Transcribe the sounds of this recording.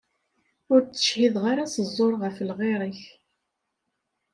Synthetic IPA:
ʊɾt͡sːə̥ʃhiðʁaɾasəzˤːoɾˤʁəflʁeɾˤəç

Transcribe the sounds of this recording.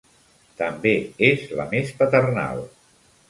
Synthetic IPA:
t̪əmbeezlə̰mespət̪ərna̰lˠ

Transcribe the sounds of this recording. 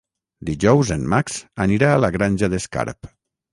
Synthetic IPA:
d̪iʒɔwzenmaksaniɾaːlaɣɾanʲʒaðeska̰ɾp

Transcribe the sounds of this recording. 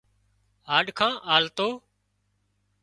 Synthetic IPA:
ɦaːɗkʰãːʔaːlt̪oː

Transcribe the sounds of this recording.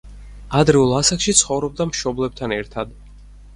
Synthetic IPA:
ad̪ɾɛulˠasakʃit̪sʰχɔvɾɔb̚d̪amʃɔblɛb̚t̪ʰanɛɾt̪ʰad̪

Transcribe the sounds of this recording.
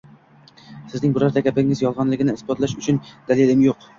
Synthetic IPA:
sɪznɪŋbʊɾɑɾd̪ɛkʲʰæpɪŋɪzjɒlˠʁɑnlˠɪɡʲɪnɪɪsbɑt̪lˠɑʃyt͡ʃʰynd̪̥ælilɪmjoq

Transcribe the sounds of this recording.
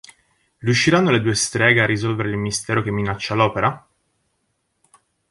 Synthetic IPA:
ɾijuʃːiɾanːoled̪uest̪ɾɛːɡearːizɔlveɾeilmist̪ɛːɾokemːinat͡ʃːalɔːpeɾa

